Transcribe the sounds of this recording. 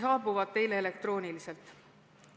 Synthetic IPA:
sɑːbuvɑd̪̥̚t̪e̞jleele̞k̚t̪ro̞ːnʲilise̞lt̪ˑ

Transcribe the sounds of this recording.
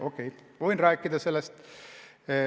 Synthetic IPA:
okːejʋoinræːkːid̪ɑselːæst̪ː

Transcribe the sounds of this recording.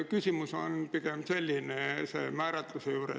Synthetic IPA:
kysimysonpikempselʲːinesḛmæːɾæt̪lusejuːɾḛ

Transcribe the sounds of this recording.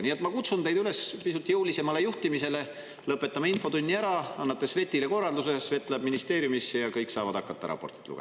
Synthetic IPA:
niet̪ːˑmɑkut̪sund̪e̞jd̪yle̞spisut̪ːˑijuwlise̞mɑle̞juht̪imise̞le̞ | lɤpːˑe̞t̪ːˑɑmeinfo̞t̪unʲːiæɾɑɑnːɑt̪ːˑe̞sve̞t̪ːˑile̞ko̞rːɑld̪use̞sve̞t̪ːˑlebminist̪e̞ːɾjumisːjɑkɤjkːsɑːvɑd̪ɑ̰kːˑɑt̪ːɑ̰ɾɑ̰pːˑo̞̰rt̪i̥t̪lṵɡḛ

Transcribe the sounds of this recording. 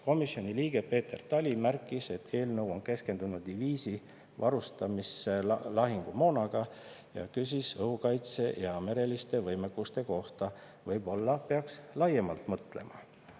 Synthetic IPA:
ko̞misjo̞niliːɡ̥e̞pe̞ːt̪e̞rt̪ɑlʲimærkːˑise̞t̪ʰːe̞ːlnɤwo̞nke̞ske̞nd̪̥unud̪d̪iviːsi | vɑɾust̪ɑmiselɑɦiŋɡ̥umo̞ːnɑɡ̥ɑ | jɑ̰kys̬ʲisɤhukɑjt̪se̞jɑme̞ɾe̞list̪e̞vɤjmekːˑust̪e̞ko̞ht̪ɑ | vɤjb̥o̞lːɑpe̞ɑkslɑje̞mɑlt̪mɤt̪ˑle̞̰mɑ

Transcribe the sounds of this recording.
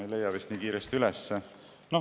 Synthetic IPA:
ejle̞jːɑvist̪niːkiːɾest̪iylɛsːe | no

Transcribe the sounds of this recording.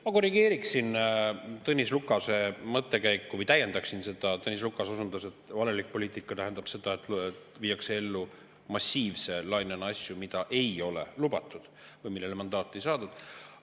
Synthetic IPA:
mɑko̞riɡe̞ːɾiksint̪ɤnʲislukːˑɑse̞mɤt̪ːˑe̞kæjkːuvɤjt̪æjːe̞nd̪ɑksinse̞d̪̥ɑt̪ɤnʲis̬lukːˑɑsosund̪use̞t̪ːvɑlelik̚po̞lʲiːt̪ˑikːˑɑt̪æɦend̪̥ɑb̥se̞d̪̥ɑe̞t̪ːˑet̪viːjɑksee̞lːu | mɑsʲːiːvse̞lɑjnenɑsʲjumid̪̥ɑʔe̞jo̞le̞̰lub̥ɑt̪ːˑud̪̥vɤjmilːe̞lemɑnd̪ɑːt̪ːˑe̞jsɑːd̪ud̪̥

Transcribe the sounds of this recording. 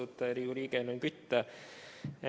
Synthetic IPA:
ut̪ːɑerijuːɾikenoiŋkyt̪ːæ

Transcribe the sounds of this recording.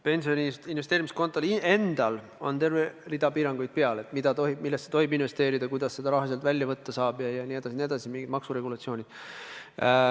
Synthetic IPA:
pe̞nsio̞nʲiinvest̪eːɾimisko̞nt̪ːˑolie̞nd̪̥ɑl | o̞̰nt̪e̞rverid̪̥ɑpiːɾɑŋɡ̥ujd̪̥̚peɑle̞t̪mid̪̥ɑt̪o̞ɦibmilːest̪set̪o̞ɦibinve̞st̪e̞ːɾid̪̥ɑkujd̪̥ɑsːe̞d̪ɑɾɑɦɑselt̪vælʲjɑvɤt̪ːɑsɑːbjɑjɑnʲie̞d̪̥ɑsinʲied̪ɑsimiŋɡid̪mɑksuɾe̞ɡulɑt̪sio̞ːnʲid̪̥

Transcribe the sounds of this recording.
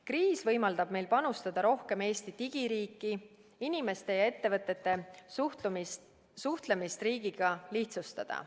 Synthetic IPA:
kriːsvɤjmɑld̪̥ɑb̥̚me̞jlpɑnust̪ɑd̪̥ɑɾo̞hke̞me̞ːst̪it̪iɡ̥iɾiːkːˑi | inime̞st̪e̞jɑe̞t̪ːe̞vɤt̪ˑːe̞t̪ːˑe̞ | suht̪le̞mist̪riːɡ̥iɡ̥ɑliht̪sust̪ɑ̰d̪̥ɑ̰

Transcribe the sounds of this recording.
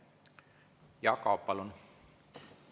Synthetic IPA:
jɑkɑpːɑlun

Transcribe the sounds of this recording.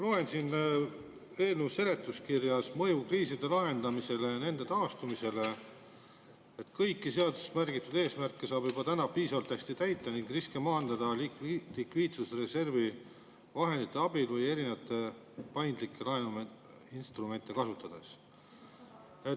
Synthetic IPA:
lo̞e̞nsin | e̞ːlneuse̞le̞t̪ːˑuskirjɑsmɤ̞jukriːsid̪̥e̞lɑɦe̞nd̪ɑmise̞le̞ne̞nd̪e̞t̪ɑːst̪umise̞le̞ | et̪ːkɤjkːise̞ɑd̪u̥smærɡit̪ːˑud̪̥e̞ːsmærkːesɑːb̥jub̥ɑt̪ænɑpiːsɑvɑlt̪ːæsʲt̪it̪æjt̪ːˑɑniŋɡriskemɑːnd̪̥ɑd̪̥ɑllikviːt̪susre̞se̞rvi | vɑɦe̞nd̪it̪ːˑe̞ɑbilvɤje̞ɾinevɑt̪ːˑe̞ | pɑjnd̪̥likːˑe̞lɑɦe̞num | inst̪rume̞nʲt̪ːˑe̞kɑsut̪ːˑɑd̪̥e̞s | et̪

